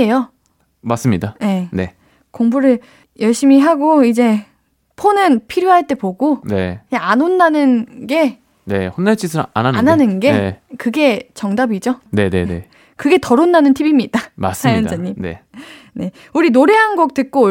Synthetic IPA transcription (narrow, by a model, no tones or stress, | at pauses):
ejo | mas͈ɯmɲidaje̞ne̞̰ | koŋbuɾɯɭ | jʌɭɕ͈imiɦaɡoid͡ʑe̞ | pʰonɯnpʰiɾjoɦaɭt͈e̞poɡone̞̰eanonːanɯnɡe̞ | ne̞̰honːaɭt͡ɕʰisʰɯɾa̰naananɯnɡe̞kɯɡe̞t͡ɕʌŋdabid͡ʑone̞nḛnḛ | kɯɡe̞tʌɾonːanɯntʰibimɲid̥ama̰s͈sajʌndaɲːimne̞̰ | ne̞ | uɾinoɾe̞ɦanɡʌk̚t͈ɯt̚k͈o